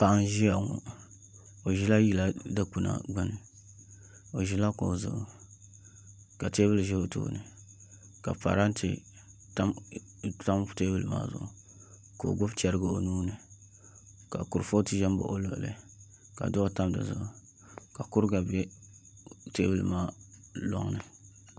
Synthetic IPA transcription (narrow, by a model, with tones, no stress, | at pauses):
pa˨ʔa˦nʒi˦ja˨ŋɔ̰˨ | o˨ʒi˦la˦ji˦la˦dɨ˦ku˨na̰˨ɡ͡ba˦nɨ˨ | o˨ʒi˦la˦ko˨zʊ̰˨ʔʊ˨ | ka˨te˦bɨ˦lɨ˨ʒɛ˦o˨to̰˦nɨ˨ | ka˨pa̰˨ɾa˦n˦tʰɨ̰˨ | ta˦m | ta˦m˦teː˦bɨ˦lɨ˨ma̰ː˦zʊ̰˨ʔʊ˨ | ko̰˨ɡʊ˦ft͡ʃɛ˦ɾɨ˦ɡɨ˦˨o˨nuː˦nɨ˨ | ka̰˨ku˨ɾfo˦tɨ˦ʒɛ˦m˦bo̰˨ʔo˦lo̰˨ʔlɨ̰˦ | ka̰˨do˦ʔo˦ta˦mdɨ̰˨zʊ̰˨ʔʊ˨ | ka˨kʊ˦ɾɡa˨bɛ˦ | te˦bɨ˦lɨ˨maː˦lɔ̰˦ŋnɨ˨